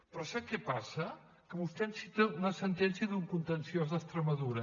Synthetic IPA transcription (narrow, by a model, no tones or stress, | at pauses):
pɾɔsakɛpasə | kəβust̪ɛnsit̪əunəsənt̪ɛnsiəðuŋkunt̪ənsiozðəst̪ɾəməðuɾə